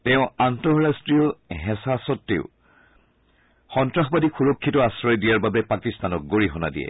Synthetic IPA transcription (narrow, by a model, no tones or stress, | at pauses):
tɛʊ̃antɔɹɹastɹijɔɦɛsasɔtːḛʊ | xɔntɹaxɔbadixuɹokʰːitɔasɹɔjdijaɹbabɛpakistanɔk̚ɡoɹiɦɔna̰dḭɛ̰